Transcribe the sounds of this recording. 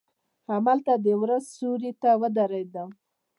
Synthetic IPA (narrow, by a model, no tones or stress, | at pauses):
hamalt̪ad̪əwɾazsuɾit̪awəd̪aɾad̪a